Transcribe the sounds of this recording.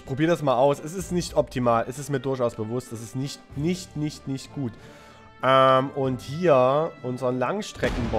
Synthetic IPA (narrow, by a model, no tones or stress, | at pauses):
ʔɪçpʁ̥obiːʁədasmaːlaʊsɛsɪstnɪçtʔɔptʰimaːlɛsɪstmiːɐdʊɐçaʊsb̥əvʊstd̥as̬ɪstnɪçtnɪçtnɪçtnɪçtɡ̥uːt | ʔɛmʔʊnthiːɐʔʊnzəʁənlaŋʃtʁ̥ɛkŋ̩bɔ